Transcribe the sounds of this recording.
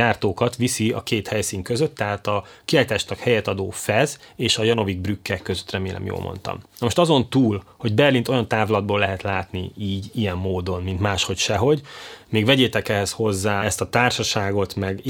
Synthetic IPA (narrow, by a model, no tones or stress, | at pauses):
aːrt̪oːkɒt̪ʋisiɒ̰keːt̪hɛjsiːŋkøzøt̪ːɛɦaːt̪ɒ | kiaːjt̪aːʃnɒkhɛjɛt̪ɒd̪o̰ːfɛz | eːʃɒjɒno̞viɡ̚brykːɛkːøzøt̪rɛmeːlɛ̰mjo̰ːlmo̰nt̪ɒ̰mnɒmoʃt̪ɒzo̞nt̪uːlho̞ɟbɛrlint̪o̞jɒnt̪aːvlɒd̪boːlɛɦɛt̪laːt̪niiːɟijɛmːoːd̪o̞nmint̪maːʃho̞cʃɛɦo̞ɟmeːɡvɛɟeːt̪ɛkɛɦɛsho̞zːaːɛst̪ɒt̪aːrʃɒʃaːɡo̞t̪mɛɡ